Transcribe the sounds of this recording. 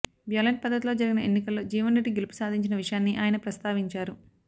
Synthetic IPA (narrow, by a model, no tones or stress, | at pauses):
ʋjaːlɐɳʈ̚pɐd̪ʱːɐt̪ilo̞ːd͡ʒɐɾiɡinɐenːikɐlːo̞ːd͡ʒiːʋɐnɾeɖːiɡelipu̥saːd̪ʱiɲt͡ʃinɐʋiʂɐjaːnːiʔaːjɐnɐpɾɐst̪aːʋiɲt͡ʃaːɾu